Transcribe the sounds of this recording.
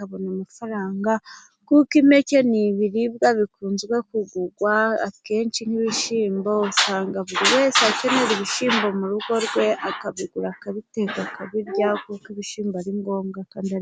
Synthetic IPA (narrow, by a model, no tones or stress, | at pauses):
aβo̞numufaɾaːŋɡa | kukimece̞niβiɾibɡaβikuːnzɡwe̞kuɡuɡwaa̰ke̞ːnt͡ʃin̥iβiʃiːmbo̞usaːŋɡaβuɾiwe̞ːseace̞ne̞ɾiβiʃiːmbo̞muɾuɡo̞ɾɡwe̞ʔakaβiɡuɾakaβiteɡakʰaβiɾɟakukiβiʃiːmbaɾiŋɡo̞ːmɡakaːndia